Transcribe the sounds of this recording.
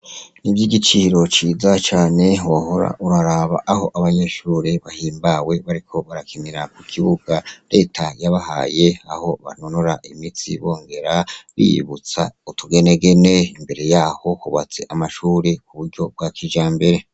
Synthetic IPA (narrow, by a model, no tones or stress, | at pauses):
nivjiːɡit͡ʃiiɾo̞t͡ʃiːzat͡ʃaːne̞waho̞ɾa̰ʔuɾaɾaβa̰ʔːho̞ʔaβaɲe̞ʃuːɾeβahiːmbawe̞βaɾikʰo̞βaɾakiniɾakukʰiβuɡ̥aɾe̞tʰajaβaha̰ːje̞aho̞βa̰nonoɾaʔimit͡sḭβo̞ːŋɡe̞ɾaβḭjḭβut͡sa̰utuɡe̞ne̞ɡe̞ne̞imbe̞ɾe̞jaːho̞huβat͡se̞ʔamaʃuːɾek̚uβuɾɟo̞b̚ɡakʰiʒaːmbe̞ɾe̞